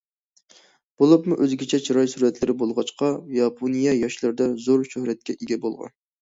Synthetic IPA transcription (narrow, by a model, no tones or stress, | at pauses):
b̥olˠɨpmuʔøzɡʲɛt͡ʃʰɛt͡ʃʰiɾɑjsuɾɛt̪lɪɾɪbolˠʁɑt͡ʃqɑjɑpʰonijɛjɑʃlˠɨɾd̪ɑzoɾʃøhɾɛt̪̚kʲɛʔeɡʲɛbolˠʁɑ̰n